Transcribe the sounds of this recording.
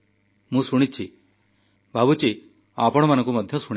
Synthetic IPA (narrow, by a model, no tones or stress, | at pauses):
mũːsuɽ̃it͡ʃʰi | bʱabut͡ɕi | apɔɽ̃manə̃ŋkuməd̪ʱjɔsuɽ